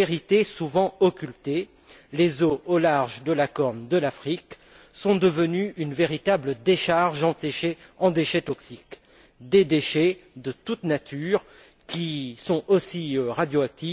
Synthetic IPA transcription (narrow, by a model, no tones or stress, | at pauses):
eʁit̪esuvɑ̃ɔkʲylt̪e | lezoːlaʁʒd̪əlakɔʁnd̪əlafχik | sɔ̃d̪əvənyynveʁit̪abləd̪eʃaʁʒɑ̃t̪eʃeɑ̃d̪eʃɛt̪ɔksik | d̪ed̪eʃɛd̪ət̪ut̪nat̪ʰyʁ | kʲisɔ̃osiøʁad̪joak̚t̪i